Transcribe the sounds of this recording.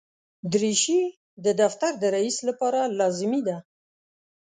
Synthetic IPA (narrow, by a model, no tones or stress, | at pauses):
d̪ɾiʃi | d̪əd̪aft̪aɾd̪əɾaislapɑɾalɑzɪmid̪a